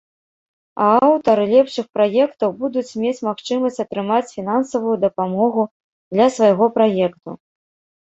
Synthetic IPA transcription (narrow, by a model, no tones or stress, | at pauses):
ɐ̰awt̪ɐɾɨlʲɛpʂɨxpɾajɛkt̪ɐwbud̪ut͡sʲmʲet͡sʲmaxt͡ʂɨmɐsʲt͡sʲɐt̪ɾɨmat͡sʲfʲinansɐvujud̪ɐpamɔɣu | d̪lʲɐsvajɣɔpɾajɛkt̪ṵ